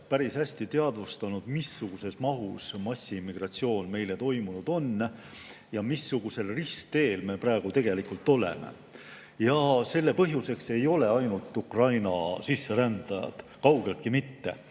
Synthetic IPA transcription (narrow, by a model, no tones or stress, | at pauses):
pæɾisæsʲt̪it̪eɑd̪vust̪ɑnud̪̥misːuɡ̥use̞smɑɦusmɑsʲːimːiɡ̥rɑt̪sio̞ːnme̞jle̞t̪o̞jmunud̪̥o̞nː | jɑmisːuɡ̥use̞lrisk̚t̪e̞ːlme̞prɑeɡ̥ut̪e̞ɡ̥e̞likult̪ːˑo̞le̞̰me̞̰ | jɑse̞lːe̞pɤɦjuse̞kse̞jo̞le̞ɑjnult̪ːˑukrɑjnɑsisːe̞ɾænd̪̥ɑjɑ̰d̪̥kɑwɡe̞lt̪̚kimit̪ːe̞̰